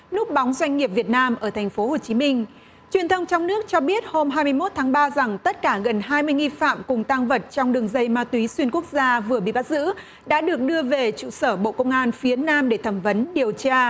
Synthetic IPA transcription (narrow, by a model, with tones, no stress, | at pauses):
nu˦˥k̚ɓɔ˨˦wŋ͡mzwa˧jŋ̟ŋi˨˩p̚vi˨˩ət̚naː˧mʔəː˧˩t̪ʰa˨˩jŋ̟fo˨˦ho˨˩t͡ɕi˨˦mï˧ŋ̟ | t͡ɕwi˨˩ənt̪ʰə˧wŋ͡mt͡ɕɔ˧wŋ͡mnɨ˦˥ək̚t͡ɕɔ˧ɓi˦˥ət̚ho˧mɦaː˧jmɨ˧əjmo˦˥t̚t̪ʰaː˨˦ŋɓaː˧za˨˩ŋt̪ə˦˥t̚kaː˧˩ɣə˨˩nɦaː˧jmɨ˧əjŋi˧fa̰ː˧˨mkʊ˨˩ŋ͡mt̪a˧ŋvə˨˩t̚t͡ɕɔ˧wŋ͡mɗɨ˨˩əŋzə˧jmaː˧t̪wi˨˦swi˧nku˦˥ək̚zaː˧vɨ˨˩əɓḭ˧˨ɓa˦˥t̚z̥ɨ̰˧˥ | ɗa̰ː˧˥ɗɨ˨˩ək̚ɗɨ˧əve˨˩t͡ɕṵ˧˨səː˧˩ɓo̰˧˨kə˧wŋ͡mʔaː˧nfi˨˦ənaː˧mɗe˧˩t̪ʰəː˧˩mvə˨˦nɗi˨˩əwt͡ɕaː˧